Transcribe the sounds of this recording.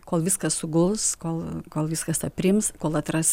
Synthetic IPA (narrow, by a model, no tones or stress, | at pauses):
koːlˠʋʲiskɐssʊɡʊlˠskoːlˠkoːlˠʋʲiskɐst̪ɐpʲrʲɪmskoːlˠɐt̪rɐs